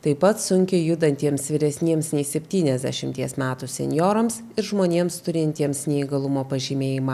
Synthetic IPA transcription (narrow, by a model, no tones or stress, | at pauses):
t̪ɐɪpɐt̪sʊŋʲkʲɪjʊd̪ɐnʲt̪ʲiɛmsʋʲɪɾʲɛsʲnʲiɛmsnʲɛɪsʲɛpʲt̪ʲiːnʲɛzʲd̪ʲɛ̰ʃʲɪmʲt̪ʲiɛsmʲæːt̪usʲɛ̰nʲjoːɾɐms | ɪɾʒmoːnʲeɛmst̪ʊɾʲɪnʲt̪ʲiɛmsnʲɛiɡɐlˠʊmoːpɐʒʲiːmʲeːjɪmɑː